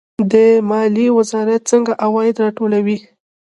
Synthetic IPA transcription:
d̪əmɑliwɪzɑɾat̪̚t͡səŋɡaʔawɑjɪd̪ɾɑʈolawi

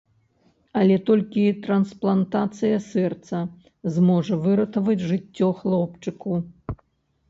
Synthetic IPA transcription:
ɐlʲɛt̪ɔlʲkʲit̪ɾɐnsplˠant̪at̪sɨjɐsɛrt̪sɐ | zmɔʐɐvɨɾɐt̪ɐvɐd͡zʲʐɨtt͡sʲːɔxlˠɔpt͡ʂɨku

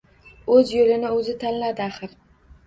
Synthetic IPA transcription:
ɵzjolɪnɪɵzɪt̪ʰanlad̪ɪaχɨɾ

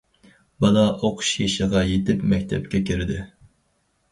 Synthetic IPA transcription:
bɑnɑʔoqʰʊ̥ʃjeʃɨʁɑjet̪ɪpmɛk̚ʲt̪ʰɛp̚kʲɛkʲiɾɪd̪ɪ

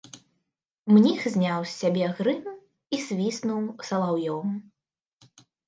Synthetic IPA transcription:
mnʲixzʲnʲawsʲːabʲɛɣɾɨn | isʲvʲisnuwsɐlˠawjɔm

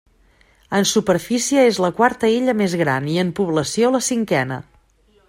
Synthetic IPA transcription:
ənsupəɾfisiəezləkwaɾt̪əiʎəmezɣɾaniəmpuβləsioləsiŋkɛnə̰

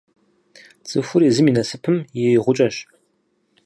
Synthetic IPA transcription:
t͡sʼɨfʷʊɾiːzɨminɐsɨpʰɨmjɪʁʷʊt͡ʃʼɐɕ

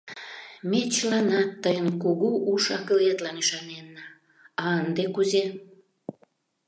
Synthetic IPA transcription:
met͡ɕəlɑnɑt̪ːəjənkuɣuʔuʃɑkəlet̪lɑniʃɑnenːɑ | ɑənd̪ekuze

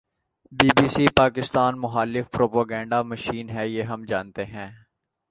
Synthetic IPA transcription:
biːbiːsiːpaːkɪst̪aːnmʊxaːlɪfpɾoːpaːɡɛ̃ːɳɖamɐʃiːnɦɛjeːɦɐmd͡ʒaːnt̪eɦɛ̃ː

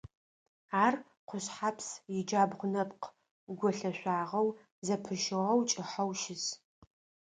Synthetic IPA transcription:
aːr | qʷʊɕħapʰsjɪd͡ʒaːbʁʷʊnɐpq | ɡʷɔɬɐɕʷaːʁɐw | zɐpʰɨʃɪʁɐwt͡ʃʼɪħɐwʃɪs

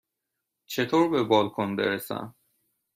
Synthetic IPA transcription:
t͡ʃʰet̪ʰoːɾbebɒːlkʰonbḛɾesæ̰m

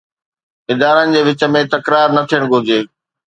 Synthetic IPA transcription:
ɪd̪aːɾənɪ̆d͡ʑeːʋɪt͡ɕə̆mẽt̪ɐkɾaːɾnɐt̪ʰijəɽ̃ɡʱʊd͡ʑeː

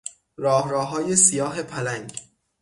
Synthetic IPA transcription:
ɾɒːhɾɒːɦɒːjesijɒːɦe̞pʰælæŋɟ

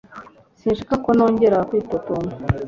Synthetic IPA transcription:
sinʃikakonoːɲɟeɾakwiːtotono

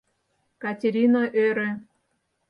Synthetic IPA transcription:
kɑtʲeɾʲinaʔøɾĕ

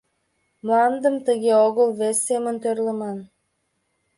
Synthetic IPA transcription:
muɑmd̪əmt̪əɡʲeoɣəlˠvesːemənt̪øɾlˠəmɑn

